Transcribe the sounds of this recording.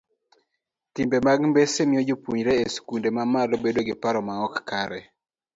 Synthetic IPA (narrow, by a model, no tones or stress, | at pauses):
timbemaɡmbesemɪod͡ʒopuɲɾɛeskundemamalobedoɡɪpaɾɔmaɔkːaɾɛ